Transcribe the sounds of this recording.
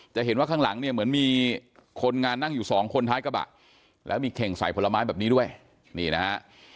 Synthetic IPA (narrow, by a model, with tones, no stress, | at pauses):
t͡ɕa˨˩ʔɦe˨˩˦nwaː˥˩kʰaː˥˩ŋla˩˦ŋni˥˩ɐmɯ˩˦ənmiː˧kʰo˧nŋaː˧nːa˥˩ŋjuː˨˩sɔː˩˦ŋkʰo˧nt̪ʰaː˦˥jka˧ba̰˨˩t̪̚ | lɛ̰ː˦˥wmiː˧kʰɛ˨˩ŋsa̰˨˩˦jpʰo˨˧˥la˧maː˦˥jbɛː˨˩p̚niː˦˥du˥˩əj | niː˧˩na˦